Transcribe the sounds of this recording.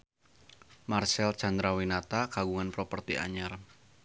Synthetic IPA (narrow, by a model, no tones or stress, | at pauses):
marsɛlt͡ʃand̪ɾawinat̪akaɡuŋanpɾɔpərt̪ia̰ɲər